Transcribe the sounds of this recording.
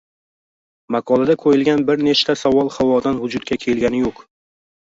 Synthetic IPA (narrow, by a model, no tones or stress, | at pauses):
maqʰɒlˠad̪akʰojɪlɡʲanbɪɾne̞t͡ʃt̪ʰasavɒlˠχavɒd̪anvʊd͡ʒʊd̪̚kʲakʲʰe̞lɡʲanɪjoq